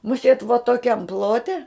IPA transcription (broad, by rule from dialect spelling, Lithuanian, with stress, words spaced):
mʊˈsʲeːt ʋoː toːˈkʲɛm ˈplˠoːtʲɛ